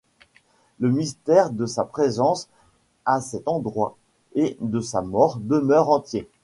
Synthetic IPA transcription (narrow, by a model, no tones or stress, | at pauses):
ləmist̪ɛʁd̪əsapχezɑ̃s | asɛt̪ɑ̃d̪ʁwa̰ | ed̪əsamɔʁd̪əmœʁɑ̃t̪je